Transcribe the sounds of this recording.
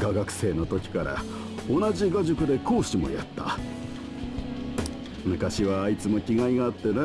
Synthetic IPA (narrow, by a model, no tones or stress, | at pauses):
ɡaɡakɯ̟̥se̞ːno̞t̪o̞kʲi̥kaɾa̰ | o̞naʑiɡaʑokɯ̟d̪e̞kʰo̞ːɕimo̞̰ja̰t̪ːa̰ | mɯ̟kaɕiβaːit͡sɨmo̞kʲiɡaiɡaːt̪ːene